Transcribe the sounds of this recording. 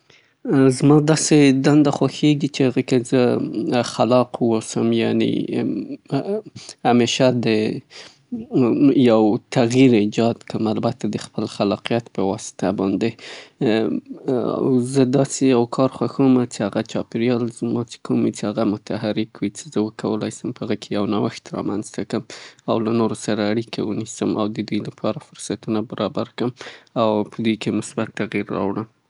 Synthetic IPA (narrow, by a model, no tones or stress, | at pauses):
zmɑd̪ɑsed̪and̪axwaxeɡit͡ʃeaɣəkezəxalɑqwosəmjanḛ | hameʃad̪ə | jawt̪aɣjiɾɪd͡ʒɑd̪kəmalbat̪ad̪əxpəlxalɑqijat̪pəwɑsɪ̥t̪ʰabɑnd̪e | a̰wzəd̪ɑsejawkʰɑɾxwaxomat͡ʃehaɣat͡ʃɑpeɾjɑlzmɑt͡se̥kʰomit͡ʃehaɣamʊt̪ʰaɦaɾɪkwit͡ʃe̥zəwəkʰawəlɑ̰jsəmpəaɣəkʰejawnawəxt̪ɾɑ̰manzt̪akəmawlanoɾosaɾaːɽikʰaunisəmʔawd̪əd̪ujlapʰɑɾafʊɾsat̪unabaɾʔɑbaɾkəmawpʰəd̪ujkemʊsbat̪ːaɣiɾːɑ̰wɽəm